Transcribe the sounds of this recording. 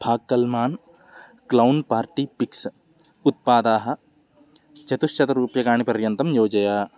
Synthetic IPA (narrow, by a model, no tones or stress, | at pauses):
bʱaːɡ̚kːɐlmaːn | klɐwnpaːɾʈipiks | ut̪̚paːd̪aːɦɐ̆ | t͡ʃɐt̪uʃt͡ʃʰɐt̪ɐɾuːpjɐɡaːɳipɐɾjɐnt̪ɐmjoːd͡ʒɐjaː